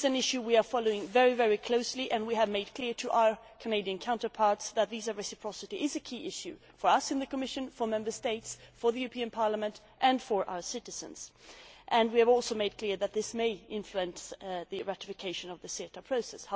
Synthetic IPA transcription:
zɨ̃nɪʃʉwiə˞fɑlˠoʊɪ̃ŋvɛɹivɛɹikʰl̥oʊsliʔɨ̃nwiɨvmeɪd̚kʰl̥ɪɹɾʰɨʔaʊə˞ | kʰɨneɪɾiɨ̃nkʰãʊ̃ntə˞pʰɑɹtsðət̪̚ðizə˞ɹɛsɨpʰɹ̥ɔsɨɾiʔɪzɨkʰiʔɪʃjʉ | fə˞ʌsɨ̃nðɨkəmɪʃɨ̃nfə˞mɛ̃mbə˞steɪtsfə˞ðɨjʉɹəpʰĩɨ̃npʰɑɹləmɨ̃nt | ʔɨ̃nfə˞ʔa̰ʊə˞sɪɾɨz̥ɨ̰̃nz̥ʔɨ̃nwiɨvɔlˠsoʊmeɪd̚kʰl̥ɪɹðɨt̪̚ðɪsmeɪɪ̃ɱfluɨ̃nsðɨɹæɾɪfɨkʰeɪʃɨ̃nʌvðɨsiɾəpʰɹ̥oʊsɛs

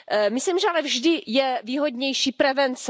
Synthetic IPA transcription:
mɪsliːmʒɛalɛvʒdɪjɛviːɦo̞dɲɛjʃiːpɾɛvɛnt͡s

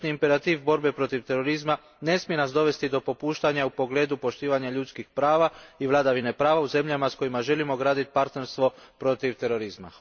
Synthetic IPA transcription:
niimpe̞ɾat̪iːʋbo̞ɾbe̞pɾo̞t̪iʋt̪e̞ɾo̞ɾizma | ne̞smije̞nasd̪o̞ʋe̞st̪id̪o̞po̞puːʃt̪aɲaupo̞ɡle̞ːd̪upo̞ʃt̪iːʋaɲaʎut̪skixpɾaːʋaiʋlˠad̪aʋine̞pɾaːʋauze̞mʎamasko̞jimaʒe̞limo̞ɡɾaːd̪it̪paɾt̪ne̞ɾst̪ʋo̞pɾo̞t̪iʋt̪e̞ɾo̞ɾizma̰

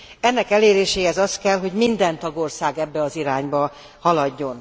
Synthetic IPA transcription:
ɛnːɛkɛleːɾeːʃeːhɛzɒst̪kɛlɦo̞ɟmind̪ɛnt̪ɒɡo̞rsaːɡɛbːɛɒziɾaːɲbɒ | hɒlɒɟːo̞n

